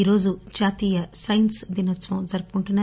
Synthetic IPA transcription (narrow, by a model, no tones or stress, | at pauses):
iːɾo̞ːd͡ʒud͡ʒaːt̪iːjɐsɐjnsd̪inɐt̪ːʋɐ̃md͡ʒɐɾpuɳʈuna